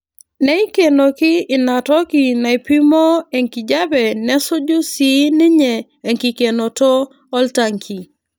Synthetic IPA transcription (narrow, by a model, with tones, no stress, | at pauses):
nɛ˦i˦ke˨no˨kɪ˦ɪ˨na˨tɔ˦kɪ˨na˨i˨pi˦mo˦e˨ŋki˨d͡ʒa˦bɛ˨nɛ˦sʊ˦d͡ʒʊ˦si˦nɪ˦ɲɛ˨ | e˨ŋki˨ke˨no˨tɔː˦ | lta˨ŋkʰi˨